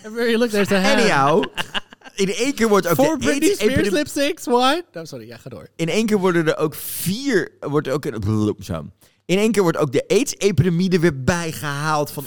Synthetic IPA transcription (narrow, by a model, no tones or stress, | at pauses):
wɛɹilʊk̚dəsəɛnaw | ɪnejŋkɪːɹʋɔɹtoːkfdəɹɪseɪɹlɪpsɪkswajd̥ɔsɔɹiaχado̰ːɹɪnejŋk̬ɪːɹʋɔɹdəndəɹʔowkv̥iːɹʋɔɹtəoknblumsa̰m | ɪnejŋkɪːɹʋɔɹtowk̚dəʔejtsejpidəmidəʋɪɹbɛjχəɦaːlˠtfɑn